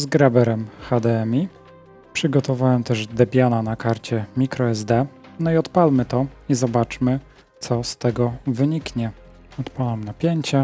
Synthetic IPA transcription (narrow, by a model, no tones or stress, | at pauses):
zɡɾabɛɾɛmxad̪ɛɛmʲi | pʂɘɡɔt̪ɔvawɛmt̪ɛʐd̪ɛbʲjananakaɾt͡ɕɛmʲikɾɔɛzd̪ɛ | nɔiɔt̪palmɘt̪ɔizɔbat͡ʂmɘ | t̪sɔst̪ɛɡɔvɘɲikɲɛ | ɔt̪palamnapʲjeɲt͡ɕɛ